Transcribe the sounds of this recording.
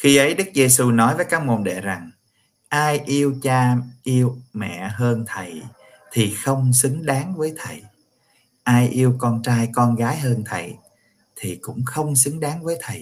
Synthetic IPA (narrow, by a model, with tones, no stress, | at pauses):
xi˧ʔə˨˦jɗɨ˦˥k̚ze˧su˧nɔ˨˦jvəː˨˦jkaː˦˥k̚mo˨˩nɗḛ˧˨za˨˩ŋ | ʔaː˧jʔi˧əwt͡ɕaː˧ʔi˧əwmɛ̰˧˨ɦəː˧nt̪ʰə˨˩j | t̪ʰi˨˩xə˧wŋ͡msɨ˨˦ŋɗaː˨˦ŋvəː˨˦jt̪ʰə˨˩j | ʔaː˧jʔi˧əwkɔ˧nt͡ɕaː˧jkɔ˧nɣaː˨˦jɦəː˧nt̪ʰə̰˨˩j | t̪ʰi˨˩kʊ̰˧˥ŋ͡mxə˧wŋ͡msɨ˨˦ŋɗaː˨˦ŋvəː˨˦jt̪ʰə˨˩j